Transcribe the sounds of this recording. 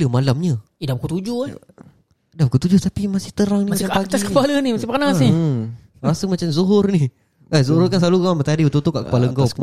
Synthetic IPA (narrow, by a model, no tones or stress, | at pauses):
ləmalamɲə | idabukut̪ud͡ʒʊa | dabukut̪ud͡ʒʊht̪apimasɪht̪əɾaŋnimaaaɡiaskəpalənimasɪpanassni | ɾasəmat͡ʃamzuɦʊrni | ahzuɦʊrkanslalukaambət̪adibət̪ut̪ukaʔkəpaləŋɡa